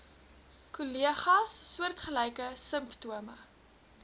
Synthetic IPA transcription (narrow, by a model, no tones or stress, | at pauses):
kuliəχɐsːuərtχəlɛjkəsəmptuəmə